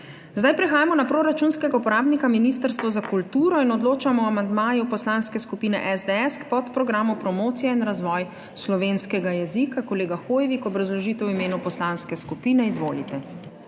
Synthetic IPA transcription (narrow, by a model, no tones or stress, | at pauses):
zd̪ajpɾɛxaːjamɔnapɾoɾat͡ʃuːnskɛɡaupɔɾaːbnikaminiːst̪əɾst̪ʋɔzakult̪uːɾɔinɔd̪loːt͡ʃamɔamand̪maːjupɔslanskɛskupiːnɛʔɛzd̪eɛskpɔt̪pɾɔɡɾaːmupɾɔmoːt̪sijɛinɾazʋɔːj | slɔʋeːnskɛɡajɛzikakɔleːɡaxoːjɛʋikɔbɾazlɔʒiːt̪ɛwimeːnupɔslanskɛskupiːnɛizʋoːlit̪ɛ